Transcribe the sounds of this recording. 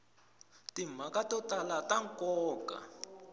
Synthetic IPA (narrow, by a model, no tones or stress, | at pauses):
tim̤akatɔtalataŋkʼɔːkʼa̰